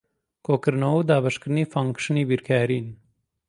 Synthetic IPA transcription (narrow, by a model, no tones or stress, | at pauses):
koːkəɾnowd̪aːbɐʂkɾnifɐŋkʂnibiɾkʰaːɾin